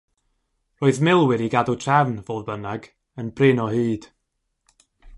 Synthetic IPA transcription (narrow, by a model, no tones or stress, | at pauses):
roːɨðmɪlˠwɪɾiɡadʊtʰr̥ɛvnvoːðbənaɡ | ənbrɪnɔhɨːd̥